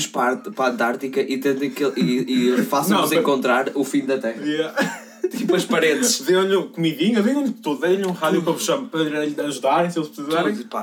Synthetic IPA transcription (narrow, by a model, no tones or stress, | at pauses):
ʃpaɾt̪pɐ̃nt̪aɾt̪ikɐʔit̪ẽnt̪ɐ̃kelˠiifasɐ̃ɐ̃zẽkõnt̪ɾaɾufĩd̪ɐt̪ɛʁɐjɛ | t̪ipɐʃpɐɾẽnt̪ʃðeɐ̃ʎũkumiðiɲɐðeɲɐ̃ʎt̪oððẽjɐ̃ʎũʁaðjukopʃɐ̃mpɐɾɐɾʎɐʒuðaɾẽj̃selˠʃpsizɐaɾipa